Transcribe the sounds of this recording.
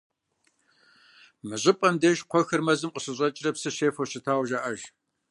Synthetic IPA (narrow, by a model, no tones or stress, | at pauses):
mɨʑʼɪpʼɐmdɐʒqʷʰɔxɐrmɐzɨmqʼəɕɨɕʼɐt͡ʃʼɪrɐpsɨʃeːfowɕɪtʰaːwʒɐʔɐʒ